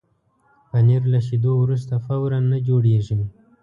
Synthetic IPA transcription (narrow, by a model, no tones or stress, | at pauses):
paniɾlaʃ̬id̪owɾus̬t̪afawɾanːad͡ʒoɽeʒəm